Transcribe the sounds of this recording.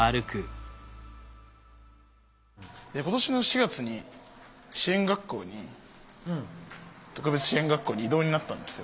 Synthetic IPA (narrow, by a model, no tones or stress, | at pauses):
aɾɯ̟kɯ̟ | d̪eko̞t̪o̞ɕino̞ɕiɡat͡sɨɲ̟i | ɕiẽŋɡakːo̞̰ːɲ̟i | t̪o̞kɯ̟be̞t͡sɨ̥ɕiẽ̞ŋɡakːo̞ːɲ̟iid̪o̞ːɲ̟inat̪ːãnd̪e̞sɨo